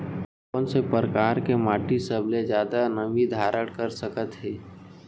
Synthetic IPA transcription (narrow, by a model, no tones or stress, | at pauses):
pənsepəɾəkaːɾkemaːʈisəbled͡ʒjaːd̪anəʋid̪ʱaːɾəɽkəɾsəkət̪ɦɛː